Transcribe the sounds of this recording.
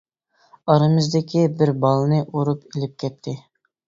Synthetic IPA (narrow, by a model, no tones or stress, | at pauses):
ɑɾɨmɨzd̪ɪkʲibɪɾbɑlˠnɨʔuɾupilɪp̚kʲɛt̪̚ʰːɪ